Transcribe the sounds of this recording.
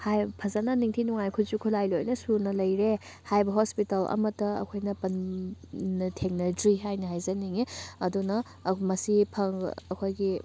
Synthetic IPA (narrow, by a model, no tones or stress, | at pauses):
hajpʰɐzɐnɐniŋtʰinuŋajkʰuzukʰulajlojnɐsuɾnɐlɐjɾe | hajbɐɦospitɐlɐ̰mɐtɐɐ̰kʰojnɐpɐn | nɐtʰeŋnɐdɾiɦajnɐɦajzɐniŋiɐdunɐ | mɐsipʰɐŋɐkʰojɡi